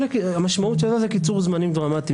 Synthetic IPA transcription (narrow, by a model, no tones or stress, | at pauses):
lekiamaʃmaut̪ʃezazekit͡suʁzmanimd̪ʁamat̪i